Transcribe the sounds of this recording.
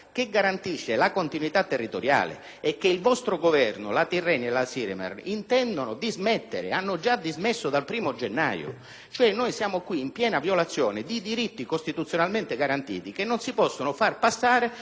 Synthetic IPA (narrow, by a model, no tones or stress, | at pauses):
k̟eɡaɾant̪iʃːelakont̪inwit̪at̪ːerːit̪oɾja̰ːlḛː | kːeilvɔst̪ɾʊɡovɛrnʊ̰lat̪irːɛnelasiɾemɛ̰rint̪ɛnd̪onʊd̪izmɛt̪ːḛɾɪ̰anːʊd͡ʒad̪izmɪsːʊd̪alpɾiːmʊd͡ʒenːa̰ːjʊ̰ | t͡ʃoɛnːojsjaːmʊkwiːmpjɛːnavjolat̪sːjɔːnɪd̪id̪iɾit̪ːikost̪it̪ut̪sːjonalment̪ɪɡaɾant̪ḭːt̪ikenːonsipɔsːonʊfarpasːaːɾe